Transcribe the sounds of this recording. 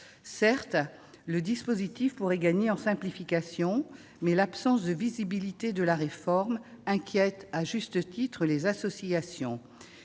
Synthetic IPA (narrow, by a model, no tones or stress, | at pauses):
sɛʁt̪ | ləd̪ispozit̪ifpuʁɛɡaɲeɑ̃sɛ̃plifikasjɔ̃ | mɛlapsɑ̃sd̪əvizibilit̪ed̪əlaʁefɔʁmɛ̃kʲjɛt̪aʒyst̪ət̪it̪χəlezasɔsiasjɔ̰̃